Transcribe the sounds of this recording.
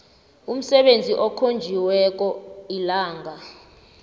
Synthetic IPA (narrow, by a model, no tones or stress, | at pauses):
um̩sɛɓend͡zʱiʔɔkʰond͡ʒʱiwɛk̬ʼɔilaːŋʱa